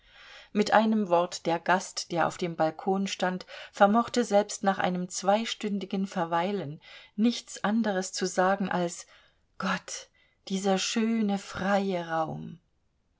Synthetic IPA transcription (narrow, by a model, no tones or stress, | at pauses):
mɪtʔaɪnəmvɔɐtd̥eːɐɡastd̥eːɐʔa̰ʊfd̥eːmbalkʰoːnʃtantfɛɐmɔχtəzɛlpstnaːχʔa̰ɪnəmt͡sv̥aɪʃtʏndɪɡənfɛɐvaɪlənːɪçt͡sʔandəʁəst͡suzaːɡŋ̩ʔa̰ls | ɡ̥ɔt | d̥iːzɐʃøːnəfʁ̥aɪəʁaʊm